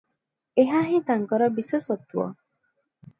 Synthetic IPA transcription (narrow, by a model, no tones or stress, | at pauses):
eɦaɦĩt̪aŋkɔɾɔbisesɔt̪uɔ̰